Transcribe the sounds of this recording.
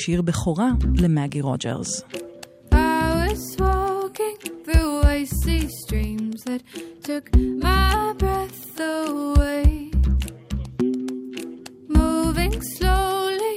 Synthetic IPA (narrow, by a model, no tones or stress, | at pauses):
ʃiʁbeχoʁalemaɡiʁo̰d͡ʒḛʁz̥ | aɪɪwʌz̥wɔkɪ̃ŋθɹuaɪsistɹ̥ĩmzðɨtʰʊkmaɪbɹɛθ | əweɪ | muvɪ̃ŋsloʊli